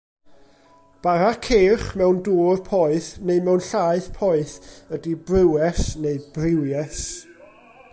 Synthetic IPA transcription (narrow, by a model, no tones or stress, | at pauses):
b̥aɾakʰeːχmɛwnduːrpʰɔɨθneɨmɛwnɬaːɨθpʰɔɨθədibrɪwɛsneɨbrɪwjɛs